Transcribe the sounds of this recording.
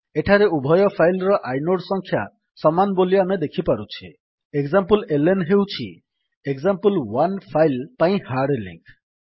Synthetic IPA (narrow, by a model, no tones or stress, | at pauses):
eʈʰaɾeubʱɔjɔpʰajlɾɔʔajnoɽsɔŋkʰja | sɔmanboliamed̪ekʰipaɾut͡ʃʰi | ekzampulelenɦewt͡ʃʰḭ | eɡzampəlwanpʰajlpaĩhaɽlḭŋkʰ